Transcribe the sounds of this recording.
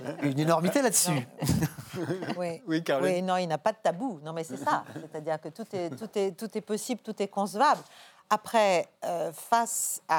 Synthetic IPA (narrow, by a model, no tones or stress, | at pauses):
ynenɔʁmit̪elad̪əsy | wiwikaʁwinɔ̃ilnapad̪ət̪abunɔ̃mɛsɛsasɛt̪ad̪iʁkət̪ut̪ɛt̪ut̪ɛt̪ut̪ɛpɔsiblt̪ut̪ɛkɔ̃səvabl | apχɛøfasa